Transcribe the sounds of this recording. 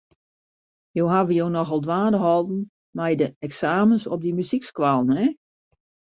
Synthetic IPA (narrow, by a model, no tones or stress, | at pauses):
joːɦavəjoːnɔxɔlˠdʋaːdəɦɔlˠdn̩ | mɛjdəɛksaːmənsɔb̚dimyzikskwalˠnɛ